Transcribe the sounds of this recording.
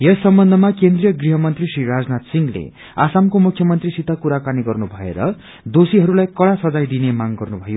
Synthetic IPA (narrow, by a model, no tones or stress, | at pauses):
jesːʌmbʌnd̪ʱʌmakend̪rijʌɡriɦʌmʌnt̪risriɾad͡znat̪siŋlḛ | asamkomukʰjʌmʌnt̪risit̪akuɾakaniɡʌrnubʱʌḛɾʌ | d̪osiɦʌɾulajkʌɽasʌd͡zajd̪inemaŋɡʌrnubʱʌjo